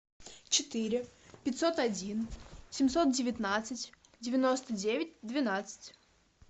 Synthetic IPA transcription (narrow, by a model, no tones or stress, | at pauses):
t͡ɕɪt̪ɨɾʲɪpʲɪtʲso̞t̪ɐdʲinsʲɪmʲsot̪̚dʲɪvʲɪt̪nat̪sɨtʲ | dʲɪvʲɪno̞st̪ədʲevʲɪt̚ʲd̪vʲɪnat̪sɨ̥tʲ